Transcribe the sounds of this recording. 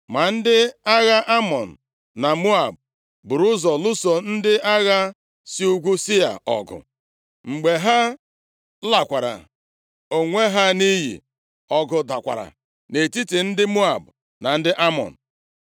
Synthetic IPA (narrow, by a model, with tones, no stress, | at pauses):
ma˨n̩˦dɪ˦a˦ɣa˦ʔa˦mɔ˨n̩˨ | na˨mu˦a˨b̚ | bʊ˨ɾʊ˦zɔ˨lʊ˦so˨n̩˦dɪ˦a˦ɣa˦ | si˦u˦ɡʷu˦sɪ˦a̰˨ɔ̰˨ɡʊ̰˨ | ŋ͡m̩˨ɡ͡be˨ɦa˦ | la˨kʷa˨ɾa̰˨ | o˨ŋʷe˦ɦa˦ni˦ɦḭ˨ | ɔ˨ɡʊ˨da˨kʷa̰˨ɾa̰˨ | ne˨ti˦ti˨n̩˦dɪ˦mu˦a˨bʊ˨ | na˨n̩˦dɪ˦ʔa˦mɔ̰˨n̩˨